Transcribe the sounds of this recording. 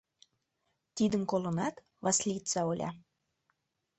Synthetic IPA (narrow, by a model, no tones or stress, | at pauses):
t̪id̪əmkolə̆nɑt̪ | vɑslʲit̪t͡sɑolʲʔɑ̰